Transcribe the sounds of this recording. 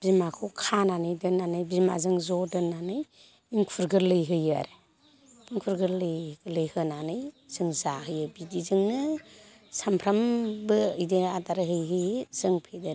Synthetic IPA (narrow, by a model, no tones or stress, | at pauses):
b̥imakʰukʰananɯjdɯnːanɯjbima̰zɯŋzɔdɯnːanɯj | iŋkʰuɾɡɯɾlɯjɦɯjaɾ | iŋkʰuɾɡɯlɯlɯjhɯnanɯj | z̥ɯŋzaɦɯjɯbidizɯŋnɯ | sampʰɾambɯɯjdiadaɾɯɦɯjɦɯjzɯŋpʰedɯɾ